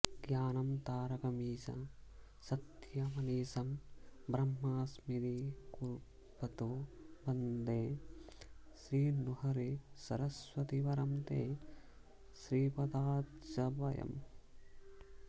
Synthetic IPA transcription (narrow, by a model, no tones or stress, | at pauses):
ɡjaːnɐmt̪aːɾɐkɐmiːsɐ̰ | sɐt̪jɐmɐniːsɐmbɾɐmːaːsmiɾikuɾ | pɐt̪obɐnd̪eː | ʃɾiːnuhɐɾisɐ̰ɾɐsʋɐt̪iʋɐɾɐmt̪eː | ʃɾiːpɐd̪aːt̪d͡ʒɐbɐjɐ̰m